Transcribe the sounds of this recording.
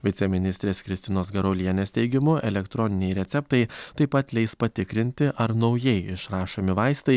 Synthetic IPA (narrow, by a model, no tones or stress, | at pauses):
ʋʲɪt̪sʲɛmʲɪnʲɪsʲt̪ʲɾʲeːskɾʲɪst̪ʲɪnoːsɡɐɾoːlʲiɛnʲeːst̪ʲɛɪɡʲɪmʊʔɛ̰lʲɛkt̪ɾɔnʲɪnʲɛɪɾʲɛt̪sʲɛpt̪ɐɪt̪ɐɪpɐt̪lʲɛɪspɐt̪ʲɪkɾʲɪnʲt̪ʲɪʔɐɾnɒʊjɛɪɪʃɾɑːʃoːmʲɪʋɑɪst̪ɐɪ